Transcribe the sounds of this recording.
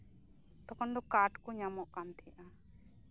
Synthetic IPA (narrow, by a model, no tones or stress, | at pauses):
t̪ɔkɔɳd̪ɔkaʈkuɲamɔʔkant̪ʰijaʔa